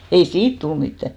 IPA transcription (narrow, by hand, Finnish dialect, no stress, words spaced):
ei siːt tul mitːæ